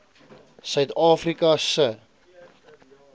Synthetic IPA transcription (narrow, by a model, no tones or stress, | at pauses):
sœɥtɑːfrikɐsə